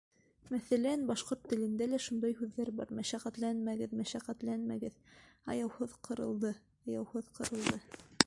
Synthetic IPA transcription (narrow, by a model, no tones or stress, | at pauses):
mæθælænbɑʃqoɾt̪ːɘ̆lɘ̆nd̪ælæʃund̪ɑjhʉðːæɾbɑ̰ɾmæʃæqæt̪lænmæɡɘðmæʃæqæt̪lænmæɡɘðɑ̰jɑwhɤðqʰɤ̆ɾɤ̰̆lˠd̪ɤ | ɑjɑwhɤðqʰɤ̆ɾɤ̆lˠd̪ɤ